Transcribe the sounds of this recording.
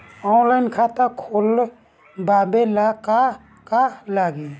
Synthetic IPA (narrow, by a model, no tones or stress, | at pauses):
ɔnlajnkʰat̪akʰol | babelaka | kalaɡi